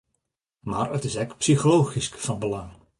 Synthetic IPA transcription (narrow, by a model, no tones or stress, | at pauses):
maːrətɪsɛkpsixolowχiskfɑnbəlɑŋ